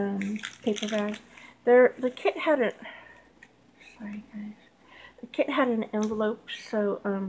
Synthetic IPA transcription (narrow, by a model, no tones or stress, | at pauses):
ʌ̃mpʰeɪpə˞vaz̥ðə˞ðɨkʰɪd̚hæɾɨnt̚ | sɑɹiɡ̥aɪʃ | ðɨkʰɪd̚ɦɨɾɨ̃n̩ɛ̃ɱvəloʊp̚soʊʔʌ̃m